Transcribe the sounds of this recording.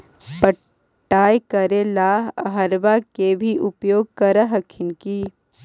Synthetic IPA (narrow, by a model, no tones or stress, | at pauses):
pə | ʈːaːjkɐɾelaːɦəɦɐɾbakebʱiʔʊpjoːɡ̚kɐɾəɦɐkʰɪnki